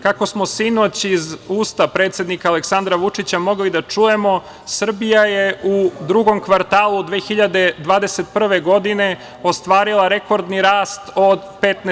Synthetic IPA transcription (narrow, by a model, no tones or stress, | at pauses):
kako̞smosino̞t͡ɕizuːst̪apɾeːt̪sje̞d̪nikaːle̞ksand̪ɾaʋut͡ʂit͡ɕamo̞ɡlid̪at͡ʂuje̞mo̞ | sr̩bijajeud̪ɾuɡo̞mkʋaɾt̪aːlˠud̪ʋeːxiʎad̪e̞d̪ʋaːd̪e̞se̞t̪̚pr̩ʋe̞ɡo̞d̪ine̞ | o̞st̪ʋaːɾilˠaɾe̞ko̞ɾd̪niɾaːst̪od̪pet̪ne